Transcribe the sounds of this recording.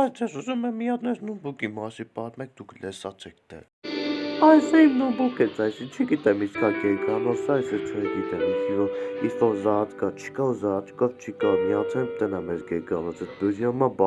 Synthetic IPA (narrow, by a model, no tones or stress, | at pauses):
ɑt͡sɛsuzumɛmːijɑt̪nɛɾnubukimɑsipɑɾmɛk̚d̪ukʰlɛsɑt͡st͡ʃʰɛk̚ʰd̪ɛ̰ | ɑjɛsɑimnubukɛt͡sʰɑjsit͡ʃʰəɡit̪ɛmiskʰɑɡɛɡɑnɔsɑjsɔɾt͡ʃʰəɛɡit̪ɛmikʰivɔifɔɾzɑɑt̪ʰkɑt͡ʃʰi̥kɑuzɑt̪ʰkɔvt͡ʃʰikɑmiɑt̪ʰɛnt̪ɛnɑmɛɾɡɛɡɑnɔt͡sɛt̪d̪uɾjɑmɑbɑ